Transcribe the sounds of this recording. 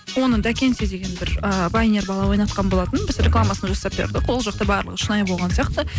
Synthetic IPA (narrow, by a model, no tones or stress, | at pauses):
wo̞nəd̪ækʲe̞nsed̪e̞ɡʲe̞nbɪɾəbajneɾbɑlˠɑwo̞jnɑt̪̚qɑnbolˠɑt̪ənbɪzɾʲeklˠamasənɑʒɑsɑp̚be̞̰ɾd̪ɪqwo̞lˠʒɑqt̪ɑbɑɾlˠəqʊʃənɑjbo̞lˠʁɑnsijɑq̚t̪ə